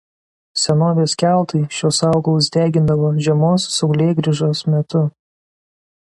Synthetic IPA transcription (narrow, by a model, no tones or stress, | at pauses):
sʲɛnoːʋʲeːskʲæˑlˠt̪ɐɪʃʲoːsɑˑʊɡɐlˠʊs̬d̪ʲæːɡʲɪnd̪ɐʋoːʒʲɛmoːsːɐʊlʲeːɡɾʲɪʒoːsmʲɛt̪ʊ